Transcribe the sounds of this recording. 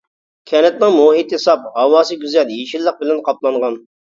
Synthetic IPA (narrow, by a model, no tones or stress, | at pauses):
kʲʰɛnɛt̪nɨŋmoit̪ːesɑp̚hɑwɑːsɨɡʲyzɛljeʃilːəq̚bɪlɛnqʰɑplˠɑɴʁɑn